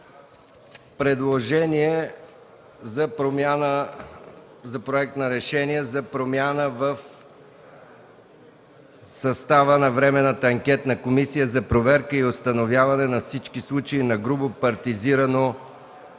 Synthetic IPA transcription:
pɾɛd̪lˠoʒɛniɛ | zɐpɾomanə | zɐpɾoɛk̚t̪nɐɾɛʃɛniɛzɐpɾomʲjanəvəf | sɐst̪avənɐvɾɛmɛnət̪əɐŋkʲɛt̪nɐkomisijəzɐpɾovɛɾkəiost̪ɐnovʲjavɐnɛnɐfsit͡ʃkislˠut͡ʃɐinɐɡɾubʊpɐɾt̪iziɾɐno

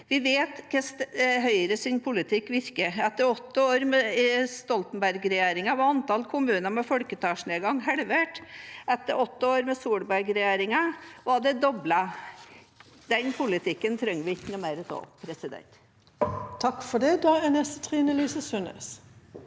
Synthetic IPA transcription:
ʋɪʋeːt̪kʰɛsɦœʏɾəsɪnpʰʊlɪt̪ʰɪkːʋɪɾkəɛt̪ːəɾɔt̪ːəoːɾmɛst̪ɔlt̪ənbæɾɡɾɛjeːɾɪŋɑʋɑɑnt̪ɑlkʰʊmʉːnəmɛfɔɽkət̪ʰɑːʂneːɡɑŋhɛɽʋeʈɛt̪ːəɾɔt̪ːəoːɾmɛsuːɽbæɾɡɾɛjeːɾɪŋɑʋɑd̪ɛd̪ɔblɑ | d̪̥ɛnpʰʊlɪt̪ʰɪkːənt̪ʰɾɛŋːəʋɪɪkːənʊmeːɾəso̰ːpʰɾɛsɪd̪ɛ̰nt̪ | t̪ʰɑkfɔɖɛd̪ɑːænɛst̪ə̥t̪ʰʁiːnəlyːsəsʉnḛːs

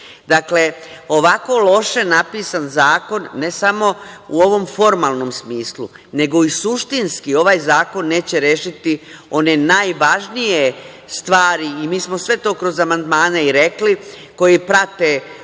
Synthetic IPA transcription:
d̪akle̞o̞ʋako̞lˠo̞ʃe̞napiːsanzaːko̞nːe̞samo̞uo̞ʋo̞mfo̞ɾmaːlˠno̞msmiːslṵ | ne̞ɡo̞isuʃt̪inskio̞ʋajzaːko̞nːe̞ːt͡ɕe̞ɾe̞ːʃit̪io̞ne̞naːjʋaʒnije | st̪ʋaːɾiimiːsmo̞sʋe̞t̪o̞ːkɾo̞zamand̪maːneiɾe̞kli | ko̞jipɾat̪e

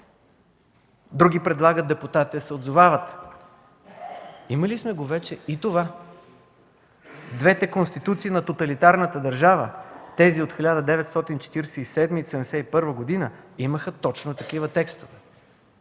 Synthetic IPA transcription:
d̪ɾuɡipɾɛd̪lˠaɡət̪̚d̪ɛput̪at̪isɛod̪zovavət̪ | iməlismɛɡovɛt͡ʃɛit̪ova | d̪vɛt̪ɛkonst̪it̪ut̪siːnɐt̪ot̪ɐlit̪aɾnət̪əd̪ɐɾʒavə̰t̪ɛziot̪xilʲad̪əd̪ɛvɛt̪st̪ɔt̪int͡ʃɛ̥t̪iɾɛsɛisɛd̪misɛmɛsɛipɤɾvəɡod̪inəiməxət̪ɔt͡ʃnot̪ɐkivət̪ɛkst̪ovɛ

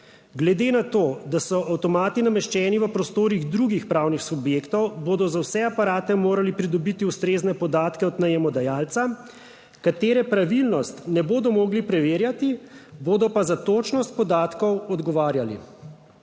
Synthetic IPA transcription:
ɡlɛd̪enat̪oːd̪asɔʔawt̪ɔmaːt̪inamɛʃt͡ʃɛːniʋəpɾɔst̪oːɾiɣd̪ɾuɡixpɾaːwnixsubjeːkt̪ɔwbod̪ɔzawsɛapaɾaːt̪ɛmoːɾalipɾid̪ɔbit̪iust̪ɾeːznɛpɔd̪aːt̪kɛɔt̪nɛjɛmɔd̪ajaːlt̪sa | kat̪eːɾɛpɾaʋilnɔst̪nɛboːd̪ɔmɔːɡlipɾɛʋeːɾjat̪iboːd̪ɔpazat̪oːt͡ʃnɔst̪̚pɔd̪aːt̪kɔwɔd̪ɡɔʋaːɾjalḭ

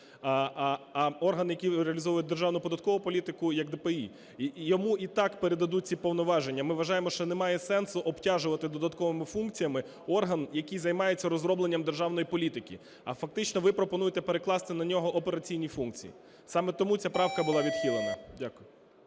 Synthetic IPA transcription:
ɔrɦɐnjɐkʲijɾeɐlʲizɔʋʊjʊt̚ʲd̪erʒɑwnʊpɔd̪ɐt̪̚kɔʋʊpɔlʲit̪ɪkʊjɐɡd̪epei | jɔmuʔit̪ɑkpeɾed̪ɐd̪ut̚ʲt͡sʲipɔwnɔʋɑʒe̞nʲːɐmɪʋɐʒɑjemɔʃt͡ʃɔnemɑjɛsɛnsʊʔɔptʲaʒʊʋɐt̪ɪd̪ɔd̪ɐt̪kɔʋɪmɪfunk̚t͡sʲijɐmɪ | ɔrɦɐnjɐkijzɐjmɑjet͡sʲːɐɾɔzɾɔblˠe̞nʲːɐmd̪erʒɑwn̪ɔjipɔlʲit̪ɪkʲḭ | ɐ̰fɐk̚t̪ɪt͡ʃnɔʋɪpɾɔpɔn̪ujet̪ɛpeɾeklˠɑst̪ɪnɐnʲɔɦɔʔɔpeɾɐt͡sʲijnʲifunkt͡sʲḭjḭ | sɑmɛt̪ɔmut͡sʲapɾɑwkɐbʊlˠɑʋʲid̪xʲilˠenɐdʲakʊjʊ

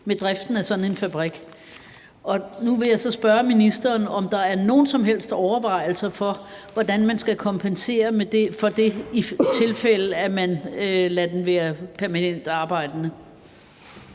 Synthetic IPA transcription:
med̥ʁɛfd̥n̩æsɒ̽dn̩e̝nfæb̥ʁiɡ̥ | ɒ̽nuʋe̝jɑ̈ɪsɒ̽sb̥ɶɐminisd̥ɐːnɒ̽md̥ɑ̈æɐno̝ːn̩sɒ̽mɦel̰sd̥ɒʊɐʋɑ̈ɪ̰l̩sɐfɒ̽ʋɒd̥ænmænsɡ̥ækʰɒ̽mpʰense̝̰ːɐmed̥efɒ̽d̥e̝it͡sʰe̝lfel̰əæmænølæd̥enʋæːɐpʰæɐmænen̰d̥ɑ̈ːb̥ɑ̈ɪ̰d̥ənə

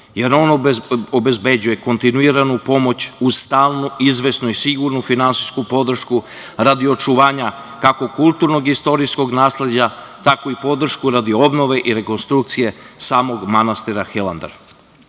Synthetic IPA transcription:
je̞ɾo̞nobe̞zbe̞d͡ʑuje̞ko̞nt̪inuiɾanupo̞mo̞t͡ɕust̪aːlˠnuizʋe̞snuisiɡuɾnufinansiskupo̞d̪r̩ʃku | ɾad̪io̞t͡ʃuʋaːɲa | kako̞kulˠt̪uɾno̞ɡist̪o̞ɾisko̞ɡnaːsle̞d͡ʑat̪akoipo̞d̪r̩ʃkuɾad̪io̞bno̞ʋe̞ʔiɾe̞ko̞nst̪ɾuk̚t̪sije̞saːmo̞ɡmanast̪iɾaxeland̪ḛɾ

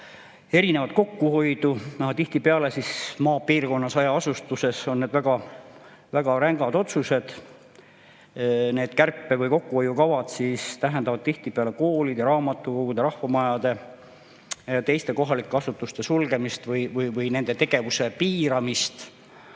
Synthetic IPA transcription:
e̞ɾine̞vɑt̪̚ko̞kːuho̞jd̪unɑht̪iht̪ipeɑlesismɑːpiːrko̞nːɑsɑjɑɑsust̪use̞so̞nːed̪væɡ̥ɑ | væɡ̥ɑɾæŋɡɑd̪o̞t̪suse̞d̪̥ | ne̞ːd̪̥kærpːevɯjko̞kːuo̞jukɑvɑd̪̥sist̪æɦend̪ɑvɑd̪̥̚t̪iht̪ipeɑle̞ko̞ːlid̪jɑɾɑːmɑt̪ːˑuko̞ɡ̥ud̪̥eɾɑhvɑmɑjɑd̪e̞ | jɑt̪e̞jst̪e̞ko̞ɦɑlikːˑe̞ɑsut̪ːˑust̪e̞sulɡe̞mist̪vɯjvɯjvɯjne̞nd̪e̞t̪e̞ɡ̥e̞vuse̞piːɾɑmist̪

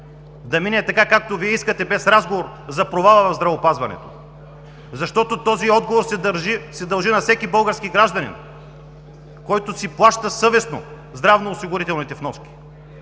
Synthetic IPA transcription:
d̪ɐminɛt̪ɐkakak̚t̪oviɛiskɐt̪ɛbɛsɾazɡovoɾ | zɐpɾovalˠəvɐvzd̪ɾɐvopazvɐnɛ̰t̪o̥̰ | zɐʃt̪ɔt̪ot̪ɔziɔd̪ɡovoɾssɛd̪ɐlˠʒinɐfsɛkibɤlˠɡəɾskiɡɾaʒd̪ɐnḭn | kɔjt̪osiplˠaʃt̪əsɤvɛsno̰ | zd̪ɾavnoːsiɡʊɾit̪ɛlˠnit̪ɛfnɔʃkʲi̥

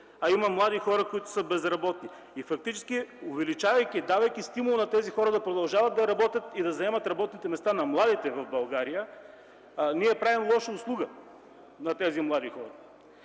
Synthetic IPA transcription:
ɐimɐmlˠad̪ixɔɾɐkʊit̪ʊ̥səbɛzɾɐbɔt̪ni | ifɐk̚t̪it͡ʃɛ̥sk̟ʲiʊvɛlit͡ʃavɐjkʲid̪avɐjk̟ʲist̪imʊlˠʊnɐt̪ɛzixɔɾəd̪ɐpɾod̪ɐlˠʒavɐt̪̚d̪ɐɾɐbɔt̪ʲjət̪id̪ɐzɐɛmɐt̪ɾɐbɔt̪nit̪ɛmɛst̪anɐmlˠad̪it̪ɛvɐvbɐlˠɡaɾijə | niɛpɾavimlˠɔʃəʊslˠuɡə | nɐt̪ɛzimlˠad̪ixɔɾɐ

